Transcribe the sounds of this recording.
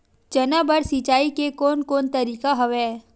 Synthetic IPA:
t͡ʃɐnabəɾsit͡ʃaːikekoːnkoːnt̪ɐɾiːkaɦɐʋɛː

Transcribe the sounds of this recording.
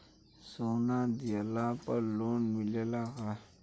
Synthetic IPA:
sonad̪ijalapəɾloːnmɪlelaka

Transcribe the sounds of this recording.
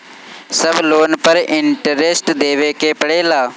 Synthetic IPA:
səbloːnpəɾɪɳʈəɾeːsʈd̪eːʋeːkeːpəɽeːlaː

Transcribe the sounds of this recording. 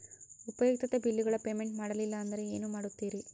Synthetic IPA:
upɐjoːɡt̪ɐt̪ɐbilːiɡɐɭɐpeːmeɳʈmaːɽɐlilːɐːnd̪ɐɾe̞eːnumaːɽut̪ːiːɾi

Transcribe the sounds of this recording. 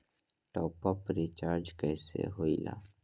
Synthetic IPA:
ʈɔːpɔpɾit͡ʃaːɾd͡ʒkɛːsḛɦoːila̰ː

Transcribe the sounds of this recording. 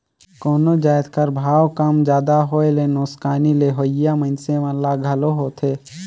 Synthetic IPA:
koːnod͡ʒaːjt̪kəɾbʱaːwkəmd͡ʒjaːd̪aɦoːelenoːskaːnileːɦoːjamə̃nsẽʋãːlaɡʱɐloɦot̪ʰeː

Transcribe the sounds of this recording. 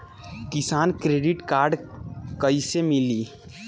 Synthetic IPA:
kɪsaːnkɾeːɖɪʈkaːɾɖkəisemɪliː

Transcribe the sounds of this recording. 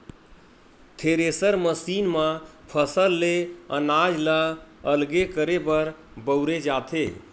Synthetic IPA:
t̪ʰeɾesəɾməsinməpʰəsəlːeə̰nad͡ʒlə | əlɡekəɾebəɾ | bəwɾed͡ʒat̪ʰe

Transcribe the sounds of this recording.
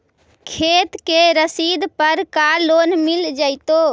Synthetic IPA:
kʰet̪keɾəsid̪pəɾkalonmild͡ʒajt̪o

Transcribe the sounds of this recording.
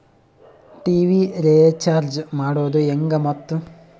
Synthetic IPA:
ʈiːʋiɾeːt͡ʃaːɾd͡ʒmaːɽoːd̪ueŋɡɐmɔt̪ːu

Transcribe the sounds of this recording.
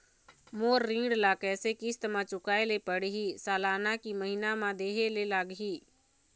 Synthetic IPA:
moːɾːĩːŋɖlakɛːsekist̪mãt͡ʃʊkaːelepəɽɦisaːlaːnakiməɦɪnamãd̪eːɦelelaːɡɦiː

